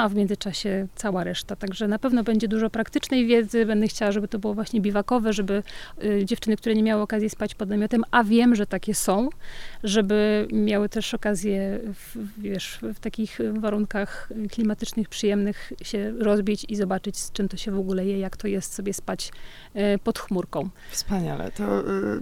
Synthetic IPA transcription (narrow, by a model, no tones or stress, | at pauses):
avmʲjɛnzɨt͡ʂaɕɛt̪sawaɾɛʂt̪at̪aɡʐɛnapɛvnɔbɛɲd͡ʑɛd̪uʐɔpɾakt̪ɘt͡ʂnɛjvʲjɛd̪zɘbɛnd̪ɛxt͡ɕawaʐɛbɘt̪ɔbɘwɔvwaɕɲɛbʲivakɔvɛʐɛbɘd͡ʑɛft͡ʂɘnɘkt̪uɾɛɲɛmjawɘɔkazjɛspat͡ɕpɔd̪namʲɔt̪ɛmavʲjɛmʐɛt̪akʲɛsɔ̃w̃ʐɛbɘmʲjawɘt̪ɛʂɔkazʲjɛfvʲjɛʂft̪akʲixvaɾuŋkaxklʲimat̪ɘt͡ʂnɘxpʂɨjɛmnɘxɕɛɾɔzbʲit͡ɕizɔbat͡ʂɘt͡ɕst͡ʂɛmt̪ɔɕɛvɔɡulɛjɛjakt̪ʰɔjɛst̪sɔbʲjɛspat͡ɕ | pɔt̪xmuɾkɔ̃w̃fspaɲa̰lɛ̰t̪ɔ